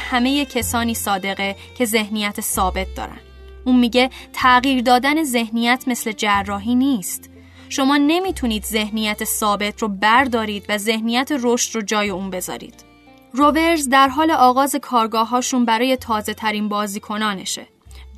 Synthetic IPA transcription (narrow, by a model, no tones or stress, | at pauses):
hæme̞je̞cʰesɒːniːsɒːd̪e̞ɣe | cʰe̞ze̞hnijæt̪ʰesɒːbe̞t̪̚d̪ɒ̰ːɾæ̰n | ʔuːnmiːɟe̞t̪ʰæɣiːɾd̪ɒːd̪æne̞ze̞hnijæt̪ʰme̞sle̞d͡ʒærːɒːɦiːniːst̪ | ʃo̞mɒːne̞miːt̪ʰuniːd̪ze̞hnijæt̪ʰesɒːbe̞t̪ʰrobæɾd̪ɒːɾiːd̪væze̞hnijæt̪ʰeɾoʃt̪rod͡ʒɒːje̞uːnbe̞zɒ̰ːɾḭːd̪̥ | rove̞ɾzd̪æɾɦɒːle̞ʔɒːɣɒːze̞kʰɒːɾɡɒːɦɒːʃunbæɾɒːje̞t̪ʰɒːze̞t̪ʰæɾiːnbɒːziːkʰo̞nɒːne̞̰ʃḛ